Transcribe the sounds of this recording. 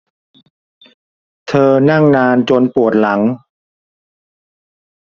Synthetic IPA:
t̪ʰɤː˧na˥˩ŋnaː˧nt͡ɕo˧npu˨˩ət̪̚la˩˦ŋ

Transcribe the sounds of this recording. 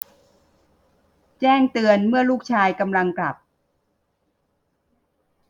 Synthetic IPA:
t͡ɕɛː˥˩ŋt̪ɯ˧ənmɯ˥˩ɐluː˥˩k̚t͡ɕʰaː˧jka˧mla˧ŋkla̰˨˩p̚

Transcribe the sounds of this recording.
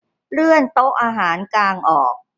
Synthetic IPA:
ɾɯ˥˩ənt̪o˦˥ʔaː˧ɦaː˩˦nklaː˧ŋʔɔː˨˩k̚

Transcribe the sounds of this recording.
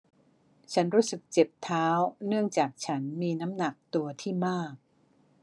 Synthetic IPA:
t͡ɕʰa˦˥nɾuː˦˥sɯ˨˩k̚t͡ɕe˨˩p̚t̪ʰaː˦˥wnɯ˥˩əŋt͡ɕaː˨˩k̚t͡ɕʰa˦˥nmiː˧na˦˥mna˨˩k̚t̪u˧ɐt̪ʰiː˥˩maː˥˩k̚

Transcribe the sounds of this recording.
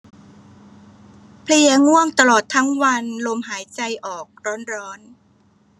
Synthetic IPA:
pʰli˧ɐŋu˥˩əŋt̪a˧lɔː˨˩t̪ʰːa˦˥ŋwa˧nlo˧mhaː˩˦jt͡ɕa˧jʔɔː˨˩k̚ɾɔː˦˥nɾɔː˦˥n

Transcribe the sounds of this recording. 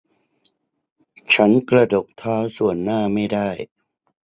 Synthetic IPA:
t͡ɕʰa˦˥nkɾa˧do˨˩k̚t̪ʰaː˦˥wsu˨˩ənːaː˥˩ma˥˩jdaː˥˩j

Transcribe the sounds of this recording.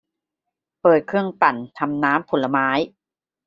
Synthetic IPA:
pɤː˨˩t̪̚kʰɯ˥˩əŋpa˨˩nt̪ʰa˧mnaː˦˥mpʰo˩˦nla˧maː˦˥j

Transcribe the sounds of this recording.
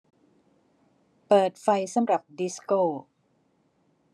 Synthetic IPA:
pɤː˨˩t̪̚fa˧jsa˧˩˨mɾa˨˩p̚di˦˥skoː˥˩

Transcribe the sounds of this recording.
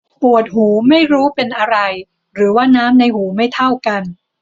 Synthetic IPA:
pu˨˩ət̪̚huː˩˦ma˥˩jɾuː˦˥pe˧nʔa˧ɾa˧j | ɾɯː˩˦waː˥˩naː˦˥mna˧jhuː˩˦ma˥˩jt̪ʰa˥˩wka˧n

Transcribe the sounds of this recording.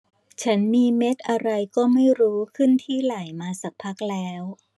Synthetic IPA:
t͡ɕʰa˦˥nmiː˧me˦˥t̪̚ʔa˧ɾa˧jkɔː˥˩ma˥˩jɾuː˦˥kʰɯ˥˩nt̪ʰiː˥˩la˩˦jmaː˧sa˨˩k̚pʰa˦˥k̚lɛː˦˥w

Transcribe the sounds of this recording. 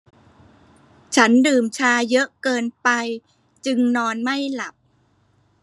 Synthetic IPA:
t͡ɕʰa˦˥ndɯː˨˩mt͡ɕʰaː˧jɤ˦˥ʔkɤː˧npa˧j | t͡ɕɯ˧ŋnɔː˧nma˥˩jla˨˩p̚

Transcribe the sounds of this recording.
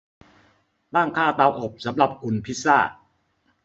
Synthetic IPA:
t̪aː˥˩ŋkʰaː˥˩t̪aː˧wʔo˨˩p̚sa˩˦mɾa˨˩p̚kʰu˧npʰi˦˥t̪̚saː˥˩ʔ̚

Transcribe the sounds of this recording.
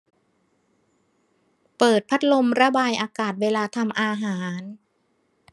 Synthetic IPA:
pɤː˨˩t̪̚pʰa˦˥t̪̚lo˧mɾa˧baː˧jʔaː˧kaː˨˩t̪̚weː˧laː˧t̪ʰa˧mʔaː˧ɦaː˩˦n

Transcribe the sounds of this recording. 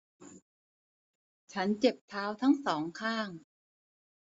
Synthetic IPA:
t͡ɕʰa˦˥nt͡ɕe˨˩p̚t̪ʰaː˦˥wt̪ʰa˦˥ŋsɔː˩˦ŋkʰaː˥˩ŋ

